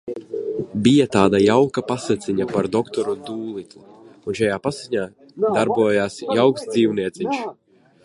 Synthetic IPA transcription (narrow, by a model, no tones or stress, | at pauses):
bijat̪aːd̪ajawkapasat̪siɲapaɾd̪ɔkt̪ɔɾund̪uːlˠit̪lˠu | unʃajaːpasiɲaː | d̪aɾbuɔjaːsjawksd̪ziːwniɛt̪siɲʃ